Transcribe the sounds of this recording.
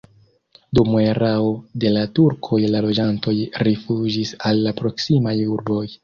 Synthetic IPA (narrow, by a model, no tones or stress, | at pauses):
dumueɾaode̞latuɾkʰo̞jlalo̞d͡ʒanto̞jɾifud͡ʒisalːapɾo̞ksimajuɾbo̞j